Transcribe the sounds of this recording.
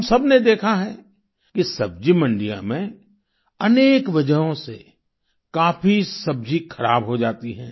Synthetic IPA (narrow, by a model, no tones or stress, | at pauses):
ɦmsɐbned̪eːkʰaɦɛ | kisɐb̚d͡ʒimə̃ɳɖijã̰mẽ | ɐneːkʋɐd͡ʒəɦõse | kaːfisɐb̚d͡ʒikʰɐɾaːbɦod͡ʒaːt̪iɦɛ̰̃ː